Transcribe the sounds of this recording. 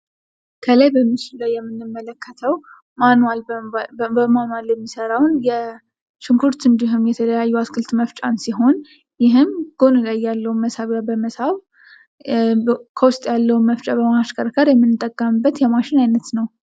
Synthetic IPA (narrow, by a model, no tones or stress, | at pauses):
kʰələjbəmːɨt͡ʃɪllajːɛmːɨnːɨmːələkːət̪ʰəw | manwal | bəmanwaljɛmːisəɾawnjɛ | ʃɪŋkʰuɾt̪ɨnd̪iɦumjɛt̪ʰələjajːuaskʰɨlt̪məft͡ʃʼansiɦo̞n | jɪɦɨmɡ̥o̞nlajːalːəwunməsaβabəməsaβ | kʰəwʊst̪ʼjalːəwunməft͡ʃʼabəmaʃkʰəɾkʰəɾjɛmːɨnːɨt̪ʼəkʼːəmɨbːət̪jɛmaʃɪnajnət̪nəw